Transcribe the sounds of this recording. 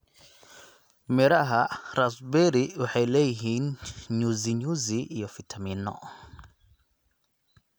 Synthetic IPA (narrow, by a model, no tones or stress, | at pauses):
miɾaɦaɾasbɛɾiuħalɛjɦiɲuziɲuzijɔfitʰaminɔ̰